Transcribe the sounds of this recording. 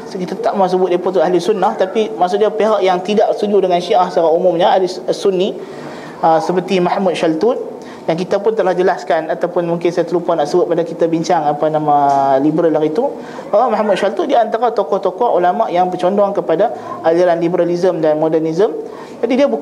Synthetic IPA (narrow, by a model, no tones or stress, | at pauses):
kit̪at̪t̪aʔmas̬əbʊt̪̚dapɔt̪uaɦlisunːaht̪apimaʔsʊʔdiapeɦaʔjaŋt̪idaʔst̪ud͡ʒudəŋanʃiʔahsaɾaumumɲaalisunːi | əsəpərt̪imahmut̪̚ʃalt̪un | daŋk̬it̪apʊnt̪əlahd͡ʒəlaskanat̪awpʊnmũŋkɪnsajat̪əlupanaʔsəbʊt̪̚padakit̪abiɲt͡ʃaŋapanamãlibəɾalaɾit̪u | bawamahmut̪̚ʃalt̪undiaant̪aɾat̪okɔht̪ɔkɔhulamaʔjaŋpərt͡ʃɔndɔŋkəpadaaliɾanlibəɾalizəmdanmɔdɛrnizəm | d͡ʒadidiabu